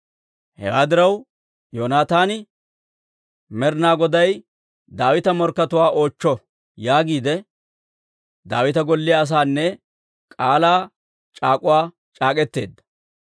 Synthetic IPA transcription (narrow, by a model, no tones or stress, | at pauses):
hɛ̰waːd̪ɪɾɐw | joːnaːt̪aːnɪ | mɛɾnaːɡɔd̪ɐj | d̪aːwɪt̪ɐmɔɾkːɐt̪ʊwaːʔo̞ːt͡ʃːɔ | jaːɡiːd̪ɛ | d̪aːwɪt̪ɐɡɔlːɪjaːs̬aːnːɛ | kʼaːlaː | t͡ʃʼaːkʼʊwaː | t͡ʃʼaːkʼɛt̪ːe̞̰ːd̪ːɐ̥